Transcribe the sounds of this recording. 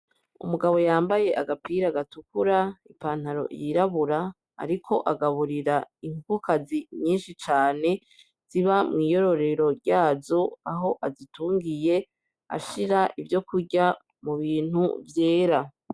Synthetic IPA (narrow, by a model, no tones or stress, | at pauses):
ṵmuɡaβo̞jaːmbaje̞ʔaɡapiɾaɡatukuɾaipaːn̥haɾo̞̰ʔḭjiɾaβuɾa̰ː | ɾikʰo̞ʔaɡaβuɾiɾaiŋkukaziɲiːnʃit͡ʃaːne̞ | z̥iβamŋiːjo̞ɾo̞ɾe̞ɾo̞ɾɟaːzo̞aɦo̞ʔazituːŋɡije̞ | a̰ʃiɾaʔivjo̞kuɟa | muβiːn̥hṵvje̞ːɾa